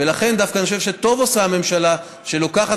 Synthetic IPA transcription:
elaχe̞nd̪afkanioʃevʃe̞t̪o̞vosaame̞mʃala | ʃe̞lo̞kaχat

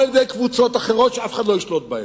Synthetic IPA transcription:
ljed̪ejkvut͡sot̪aχeʁotʃeafe̥χad̪loiʃlot̪̚baja

